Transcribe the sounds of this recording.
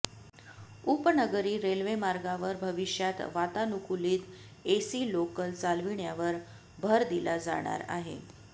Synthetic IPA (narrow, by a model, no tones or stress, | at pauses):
upnəɡəɾiːɾelʋemaɾɡaʋəɾbʱəʋiɕjat̪ʋat̪anukuliːt̪ | esiːlokəlt͡salʋiɳjaʋəɾ | bʱəɾd̪ilad͡za̰ɽ̃a̰ɾa̰ɦḛ